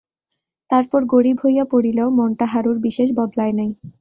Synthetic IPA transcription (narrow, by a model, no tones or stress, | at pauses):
t̪aɾpɔɾɡoɽibʱojapoɽileomɔnʈaɦaɾuɾbiʃeʃbɔd̪laenaj